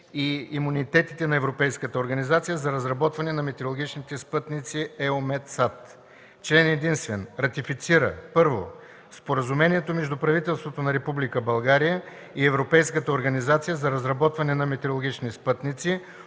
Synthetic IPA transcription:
iimunit̪ɛt̪it̪ɛnɐɛvɾopɛjskət̪əoɾɡɐnizat̪sijəzɐɾɐzɾɐbɔt̪vɐnɛnɐmɛt̪ɛɾolˠoɡit͡ʃnit̪ɛspɤt̪nit̪siɛomɛt̪sat̪ | t͡ʃlɛnɛd̪inst̪vɛnɾɐt̪ifit̪siɾə̰pɤɾvo̰ | spoɾəzumɛniɛt̪omɛʒd̪upɾɐvit̪ɛlˠst̪vot̪onɐɾɛpublikəbɐlˠɡaɾijə | iɛvɾopɛjskət̪əoɾɡɐnizat̪sijəzɐɾɐzɾɐbɔt̪vɐnɛnɐmɛt̪ɛɾolˠoɡʲit͡ʃnispɤt̪nit̪si

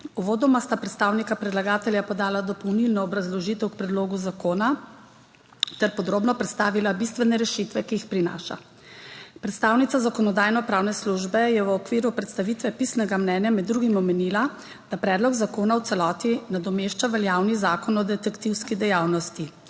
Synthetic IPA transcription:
uʋoːd̪ɔmast̪apɾɛt̪st̪aːwnikapɾɛd̪laɡaːt̪ɛljapɔd̪aːlad̪ɔpɔwnilnɔːbɾazlɔʒiːt̪ɛwk̚pɾɛd̪loːɡuzakoːna | t̪ɛɾpɔd̪ɾoːbnɔpɾɛt̪st̪aːʋilabist̪ʋɛnɛɾɛʃit̪ʋɛkijixpɾina̰ːʃa̰ | pɾɛt̪st̪aːwnit̪sazakɔnɔd̪aːjnɔpɾaːwnɛsluʒbɛjɛʋəɔkʋiːɾupɾɛt̪st̪aʋit̪ʋɛpisnɛɡamnɛnjamɛd̪ːɾuɡimɔmɛnila | d̪̥apɾɛːd̪lɔɡzakoːnawt̪ɛlɔːt̪inad̪ɔmeːʃt͡ʃaʋɛljaːwnizaːkɔnɔd̪ɛt̪ɛkt̪iwskid̪ɛjawnɔst̪i

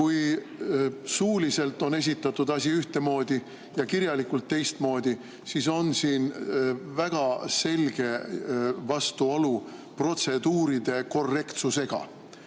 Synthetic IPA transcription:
kuj | suːlise̞lt̪ːˑo̞ne̞s̬ʲit̪ːˑɑt̪ːˑud̪̥ɑsʲiyht̪e̞mo̞ːd̪̥ʲi | jɑkiɾjɑlikːˑult̪ːe̞jst̪mo̞ːd̪̥ʲi | siso̞nsiːnvæɡ̥ɑse̞lʲɡ̥e̞ | vɑst̪uolupro̞t̪se̞d̪̥uːɾid̪̥e̞ko̞rːe̞kt̪suse̞ɡ̥ɑ̰

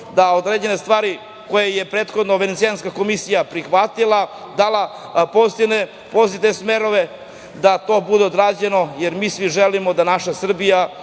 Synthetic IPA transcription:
d̪aod̪ɾed͡ʑe̞ne̞st̪ʋaːɾi | ko̞jejepɾeːt̪xod̪noʋenet̪sijanskako̞misijapɾixʋat̪ilˠa | d̪alˠa | post̪iɡne | posit̪iesmeɾo̞ʋe | d̪at̪o̞bud̪eod̪ɾaːd͡ʑe̞no̞jeɾmisʋiʒelimod̪anaʃasr̩bija

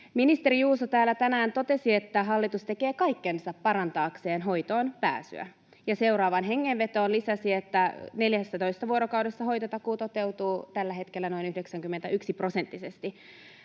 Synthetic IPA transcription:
minist̪e̞ɾijuːsot̪æːlːæt̪ænæːnt̪o̞t̪e̞sie̞t̪ːæɦɑlːit̪ust̪e̞keːkɑjkːensɑppɑɾɑnt̪ɑːkse̞ːnɦo̞jt̪oːnpæ̰ːsy̰æ̰ | jɑse̞wɾɑːʋɑnɦe̞ŋːenʋe̞t̪oːnlisæsiet̪ːæne̞ljæsːæt̪o̞ist̪ɑʋuoɾokɑuwdesːɑɦo̞jt̪ot̪ɑkuːt̪ot̪e̞wt̪uːt̪ælːæɦe̞t̪k̟elːæno̞inyhdeksæŋkymːent̪æʔyksipro̞se̞nt̪ːisest̪i

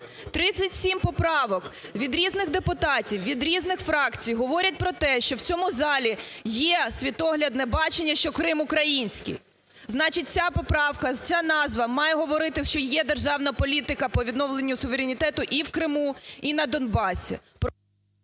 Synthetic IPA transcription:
t̪ɾɪt͡sʲːɐtʲsʲimpɔpɾɑʋɔkʋʲid̪ɾʲiznɪɣd̪epʊt̪ɑtʲiwʋʲid̪ɾʲiznɪxfɾɑkt͡sʲijɦɔʋɔɾʲɐtʲpɾɔt̪ɛʃt͡ʃɔwt͡sʲɔmʊzɑlʲijɛsʲʋʲit̪ɔɦlʲɐd̪nɛbɑt͡ʃenʲːɐʃt͡ʃɔkɾɪmʊkɾɐjinʲsʲkʲḭ | znɑt͡ʃɪt̚ʲt͡sʲapɔpɾɑwkɐt͡sʲanɑzʋɐmɑjɛɦɔʋɔɾɪt̪ɪʃt͡ʃɔjɛd̪erʒɑwnɐpɔlʲit̪ɪkɐpɔʋʲid̪nɔʋlˠenʲːʊsʊʋeɾʲenʲit̪ɛt̪ʊʔiwkɾɪmuinɐd̪ɔnbɑsʲḭp

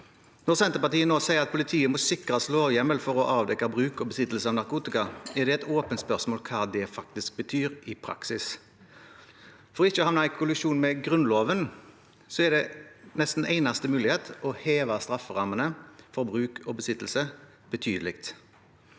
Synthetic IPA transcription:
nɔʁsɛnt̪əʁpɑt̪iːənoːsæɪəʁɑt̪̚pʰʊlɪt̪ʰiːəmɔsɪkʁɑsloːjɛməlfɔʁɔʔɑːʋd̪ɛkːɑbʁʉːkɔbəsɪt̪l̩səɑːʋnɑʁkuːt̪ɪkɑɛʁd̪ɛɛt̪oːpənt̪spœʁsmɔːlkʰɑːd̪ɛfɑk̚t̪ɪsk̚bət̪ʰyːʁɪpʰɾɑ̰ksɪs | fɔʁɪçːəɔhɑʋnɑæɪkʰʊlɪʃuːnmɛɡʁʉnloːʋən | sɔɛd̪ɛnɛst̪n̩æɪnɑst̪əmʉːlɪheːt̪ɔheːʋɑst̪ʁɑfəʁɑmənəfɔɾbʁʉːkʰɔbəsɪt̪ːl̩sə | b̥ət̪ʰyːd̪əlɪkt̪

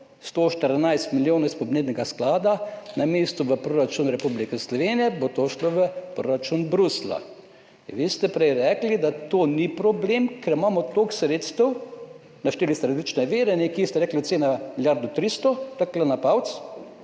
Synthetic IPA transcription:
st̪oʃt̪əɾnajst̪miljoːnispɔbneːd̪nɛɡasklaːd̪anameːst̪uʋəpɾoːɾat͡ʃunɾɛpublikɛslɔʋeːnijɛbot̪oʃloʋəpɾo̰ɾat͡ʃunbɾusla̰ | ʋist̪ɛpɾɛjɾɛklid̪at̪oːnipɾɔblemkʰɛɾmaːmɔt̪oksɾeːt̪st̪əw | naʃt̪eːlist̪ɾait͡ʃnɛʋeːɾɛnɛkist̪ɛɾɛkliʊt̪seːnamiljaɾd̪ʊt̪ɾist̪ɔt̪aklɛnapawt̪s

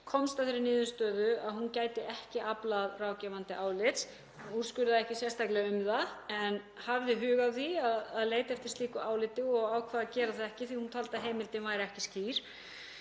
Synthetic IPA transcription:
kʰɔmst̪aθeːɾɪɾnɪːðʏnst̪œːðʏaðɦuncaːjt̪ɪʔɛhcɪʔaplaðraːwcɛvant̪ɪʔaːwlɪt̪s | ur̥skʏɾðaɛhcɪsjɛst̪ajklɛɣaʏmðaɛn | havðɪɦʏːɣawθiaðaðleːjt̪ɛft̪ɪɾ̥st̪iːkʏʔaːwlɪt̪ɪɔɣawkʰvaːðacɛːɾaθaðɛhcɪθihunt̪ʰaːlt̪aɦejmɪlt̪ɪnvaːjɾɛhcɪsciːɾ̥

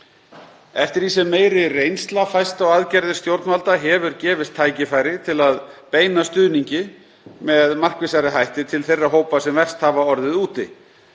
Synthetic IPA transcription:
ɛft̪ɪɾis̬ɛmːeːjɾɪrejnst̪lafajst̪aɣaðcɛɾðɪ̥st̪jowɾt̪nmalt̪aɦɛːvʏɾcɛːvɪst̪ʰːaːjcɪfajɾɪt̪ʰɪlaðpeːjnast̪ʏːðniɲcɪ | mɛðmar̥kvɪsaɾɪɦajht̪ɪt̪ʰɪlθejrːaɦoːwpasɛmvɛr̥st̪havaɔɾðɪðuːt̪ɪ

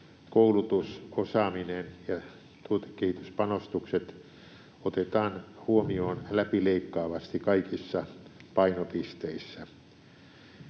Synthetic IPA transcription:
koulut̪usosɑːminenjɑ | t̪uot̪ɑ̥kːehit̪yspɑnost̪ukset̪ | ot̪et̪ɑːnhuomioːnlæpileikːɑːʋɑst̪ikɑikisːɑpɑinopist̪eisːæ

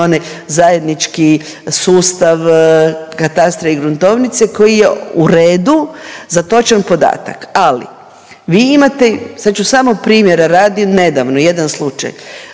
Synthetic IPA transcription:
onajzajed̪nit͡ʃki | suːst̪aʋ | kat̪ast̪ɾeiɡɾunt̪o̞ʋnit̪se̞ko̞jije̞uɾeːd̪uzat̪o̞t͡ʃanpo̞d̪a̰ːt̪a̰kalḭ | ʋiːimat̪esat͡ʃusamopɾiːmjeɾaɾaːd̪ine̞d̪aːʋnoje̞d̪anslˠut͡ʃa̰j

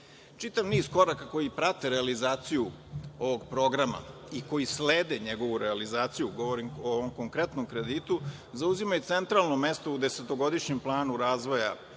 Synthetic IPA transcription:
t͡ʃit̪aʋniːz̥ko̞ɾakako̞jipɾat̪e̞ɾealizaːt̪sijuoʋo̞ɡpɾo̞ɡɾama̰ | iko̞jisleːd̪eɲeɡo̞ʋuɾealizaːt̪sijuɡo̞ʋo̞ɾimooʋomko̞ŋkɾe̞t̪nomkɾe̞d̪iːt̪u | zauzimajut̪se̞nt̪ɾalˠno̞me̞st̪oud̪e̞se̞t̪o̞ɡo̞d̪iʃɲemplˠaːnuɾaːzʋo̞ja̰

